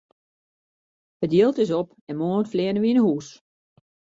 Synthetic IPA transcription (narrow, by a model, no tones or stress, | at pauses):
hətdjilˠtɪs̬ɔp | ɛnmoːntflɛːənəʋinəhuːs